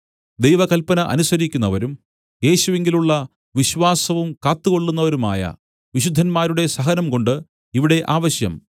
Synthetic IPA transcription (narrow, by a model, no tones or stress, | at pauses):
d̪ejʋɐkɐlpɐnɐʔɐ̰nusɐɾikʲːunːɐʋɐɾum | je̞ːɕuʋeŋɡiluɭːɐ | ʋiɕʋaːsɐʋumkaːt̪ːuɣo̞ɭːunːɐʋɐɾuma̰ːjɐ̰ | ʋiɕud̪ʱːɐnmaːɾuɽe̞sɐɦɐnɐmko̞ɳɖɨ | iʋiɽe̞ʔaːʋɐɕjɐ̰m